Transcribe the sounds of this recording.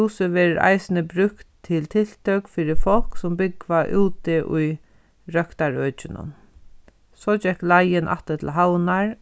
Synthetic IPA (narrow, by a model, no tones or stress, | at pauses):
uːsəʋɛːɾɪɾa̰ɪsɪnəbɾʉkt̪ʰːɪlt̪ʰɪl̥t̪ʰœkfiːɾɪfɔl̥ksʊmbʏɡʋaʔuːt̪ɪʔʊj | ɾœkt̪aɹœːt͡ʃɪnʊ̰n | sɔːd͡ʒɛklajɪnʔa̰ht̪at̪ʰɪlɦawnaɹ